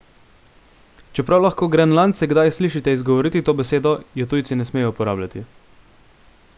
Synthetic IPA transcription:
t͡ʃɛpɾawlaxkoːɡɾɛnlant̪sɛɡd̪ajsliːʃit̪ɛizɡɔʋɔɾit̪it̪oːbɛseːd̪ɔjɛt̪ujt̪sinɛsmeːjɔupɔɾaːblʲjat̪i

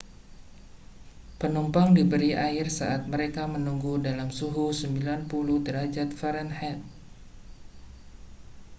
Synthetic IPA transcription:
pənumpaŋdibəɾiaɪrsa̰ʔat̪̚məɾekamənuŋɡudalamsuɦusəmbilanpuluht̪əɾad͡ʒat̪̚faɾɛnhɛt

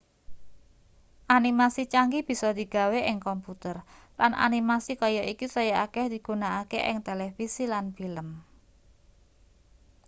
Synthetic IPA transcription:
ʔanimasit͡ʃaŋɡib̥i̤sɔd̪̥i̤ɡ̥a̤weʔɪŋkɔmput̪ərlanʔa̰nimasikɔjɔʔikisɔjaakɛhd̪̥i̤ɡ̥unaakeʔɪ̰ŋt̪elefisilanfiləm

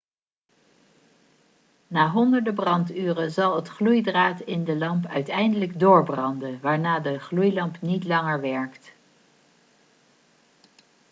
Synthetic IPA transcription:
naːɦɔndəɹdəbrɑntyːrəzɑlˠətχlujdraːtɪndəlɑmpœɥtɛjndələɡdʊːɹbrɑndənʋaːɹnaːdəχlujlɑmpnitlɑŋəɹʋɛɹkt

